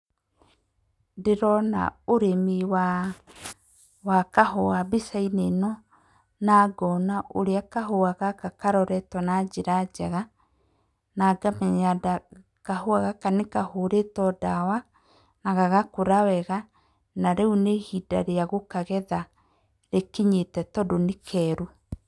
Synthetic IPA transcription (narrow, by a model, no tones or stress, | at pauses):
deɾɔna̰oɾemiwa | wakahɔabisainenɔ | naːɡɔnaʔoɾeakaɦoaɣakakaɾɔɾɛtwanad͡ʒeɾad͡ʒaɣa | naɡamɛɲada | kahoaɣakanekahoɾetɔdawa | naɣaɣakoɾawɛɣa | naɾeunehida̰ɾeaɣokaɣɛða | ɾekeɲetɛtɔdonekʰɛːɾu